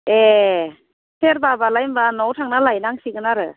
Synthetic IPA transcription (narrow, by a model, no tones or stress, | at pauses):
e | sʰeɾbabalajmbanɔwtʰaŋnalajnaŋsiɡɯnaɾɯ